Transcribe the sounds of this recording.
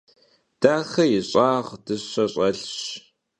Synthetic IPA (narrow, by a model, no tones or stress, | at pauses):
d̥aːxɐjɪɕʼaːʁd̥ɨɕɐɕʼɐɬɕ